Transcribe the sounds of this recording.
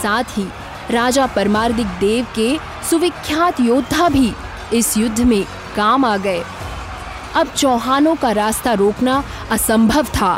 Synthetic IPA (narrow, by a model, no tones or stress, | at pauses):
saːt̪ʰɦiː | ɾaːd͡ʒapɐɾmaːɾd̪ɪk̚d̪eːʋke | sʊʋɪkʰːjaːt̪joːd̪ʱːabʱi | ɪsjʊd̪ʱːəmẽ | kaːmaːɡɐe | ɐb̚t͡ʃɔːɦaːnõkaɾaːst̪aɾoːkna | ɐsə̃mbʱəʋt̪ʰaː